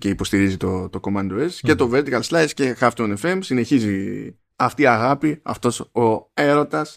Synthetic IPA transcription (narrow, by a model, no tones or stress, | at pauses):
ce̞ipo̞st̪iɾizit̪ot̪o̞ko̞mɐnd̪o̞esce̞t̪o̞veɾt̪ikɐlslɐjsce̞xɐft̪onefe̞msine̞çizi | ɐft̪iɐɣɐpiɐ̰ft̪o̞soe̞ɾo̞t̪ɐs